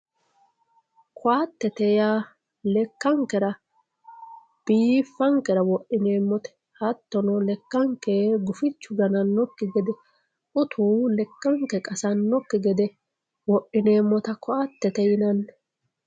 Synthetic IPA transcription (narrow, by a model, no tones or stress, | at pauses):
kʰʊat̪ːɛt̪ɛja | lɛkːɐŋkːɛɾɐ | b̥iːfːɐŋkɛɾɐwɔʔɪneːmːɔt̪ɛ̥ | hɐt̪ːɔnɔlɛkːɐŋkːeɡʊfɪt͡ʃːʊɡɐnɐnːɔkːɪɡɛd̪ɛ | ʔʊt̪ʰuːlɛkːɐŋkɛkʼɐsɐnːɔkːɪɡɛd̪ɛ | wɔʔːɪneːmːɔt̪ɐkɔat̪ːɛt̪ɛjɪnɐnː